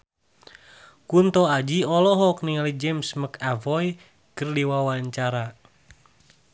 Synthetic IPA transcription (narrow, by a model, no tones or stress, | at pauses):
kunt̪ɔad͡ʒiɔlɔɦɔkniŋalid͡ʒɛmsməkavɔj | kərdiwawaɲt͡ʃaɾa